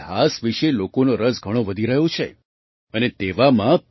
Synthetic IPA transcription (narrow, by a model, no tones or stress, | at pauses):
ɦasʋiʃelokonoɾəsɡʱəɽ̃oʋəd̪ʱiɾəɦjot͡ʃʰe | ənet̪eʋamã